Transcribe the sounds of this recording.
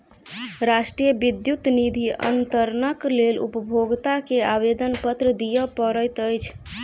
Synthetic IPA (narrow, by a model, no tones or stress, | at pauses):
ɾaʃʈɾijəbid̪jut̪nid̪ʱiʔə̰nt̪əɾnəklelṵpəbʱoɡt̪akeabed̪ənpət̪ɾəd̪ijəpəɾəjt̪əjt͡ʃʰ